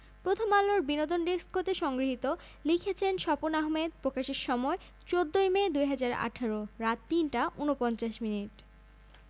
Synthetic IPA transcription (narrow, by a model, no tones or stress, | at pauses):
pɾot̪ʰomalːoɾbinod̪onɖesʈ̚kʰot̪eʃɔŋɡɾiɦit̪o | likʰet͡ɕʰenʃɔponaɦmed̪̚pɾokaʃeɾʃɔmɔe | t͡ɕod̪ːojmed̪ujɦad͡ʑaɾa̰ʈʰaɾoɾat̪ːinʈaʔunopɔnt͡ɕaʃminiʈ